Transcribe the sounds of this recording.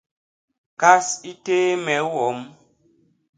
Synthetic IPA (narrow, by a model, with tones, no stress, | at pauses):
ka˦si˦teː˦mɛ˨˦wɔ˨˦m